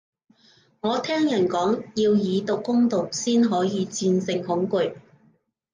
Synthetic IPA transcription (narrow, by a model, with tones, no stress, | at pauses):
ŋɔː˨˧t̪ʰɛː˥ŋjɐ˨˩nkɔː˨˥ŋjiː˧wjiː˨˧t̪ʊ˨kːʊ˥ŋt̪o˨k̚siː˥nɦɔː˨˥jiː˨˧t͡siː˧nsɪ˧ŋhʊ˨˥ŋkɵ˨˩j